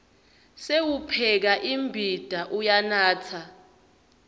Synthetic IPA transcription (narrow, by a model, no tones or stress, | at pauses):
sewupʰɛk̬aʔimbʱid̥ʱaʔujanaːt͡sʰa